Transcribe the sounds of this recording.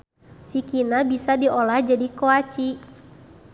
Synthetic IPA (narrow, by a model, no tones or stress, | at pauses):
sikinabisadiʔɔlahd͡ʒadikoat͡ʃi